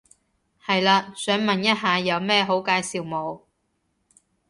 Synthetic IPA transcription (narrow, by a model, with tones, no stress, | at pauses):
hɐ˨jlaː˧sœː˨˥ŋmɐ˨njɐ˥t̚ɦaː˨˧jɐ˨˧wmɛː˥˩ɦo˨˥wkaː˧jsiː˨wmo˨˧w